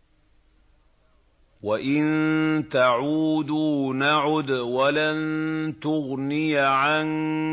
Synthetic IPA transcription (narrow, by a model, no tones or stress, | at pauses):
waʔɪnt̪aʕuːd̪unaʕʊd̪walant̪ʊɣnɪjʕan